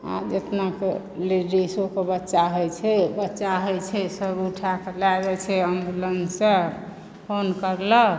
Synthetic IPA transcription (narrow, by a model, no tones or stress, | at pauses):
a̰d͡ʒet̪nake | liɖɾisokebətːʃaɦojt͡ʃʰɛbətːʃaɦɔjt͡ʃʰɛsəbuʈʰakelabɛt͡ʃʰɛəmbulənsəɾ | pʰonkəɾlə